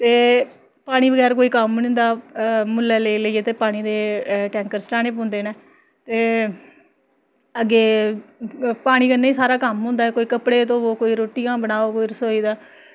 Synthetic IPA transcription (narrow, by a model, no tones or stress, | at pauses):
t̪eː | paːɽ̃iːbəɡɛːɾk̬oːiːkəmnɪ̃nd̪aːmʊlɛːleləieːt̪eːpaːɽ̃iːd̪eːʈɛːŋkəɾsʈaːɽ̃eːp̬õːnd̪eːneː | t̪eː | əɡeː | paːɽ̃iːkənːeːiːsaːɾaːkəmɦʊ̃ːnd̪aːɛkoːiːkəpɽeːt̪õːoːkoːiːɾoːʈɪjãːbəñaːoːkoːiːɾəsoːiːd̪aː